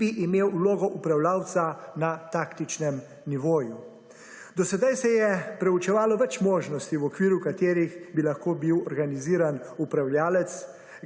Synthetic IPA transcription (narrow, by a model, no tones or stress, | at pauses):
iʔimeːwuloːɡɔʔupɾawlaːwt̪sanat̪aːkt̪it͡ʃnɛm | niʋoːju | d̪ɔsɛd̪ajsɛjɛpɾɛut͡ʃɛʋaːlɔʋɛt͡ʃmoːʒnɔst̪iwɔkʋiːɾjukat̪eːɾixbilaxkoːbiwɔɾɡaniziːɾanupɾawljaːlɛt̪s